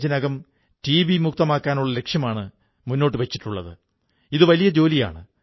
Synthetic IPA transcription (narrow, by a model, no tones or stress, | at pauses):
t͡ɕːɐnɐɡɐm | ʈiːʋimuk̚t̪ɐmaːkːaːnuɭːɐle̞kʂjɐmaːɳɨ | munːo̞ːʈ̬ːɨʋet͡ɕːiʈːuɭːɐ̰ðɨ̰ | iðɨʋɐlijɐd͡ʑo̞ːlija̰ːɳɨ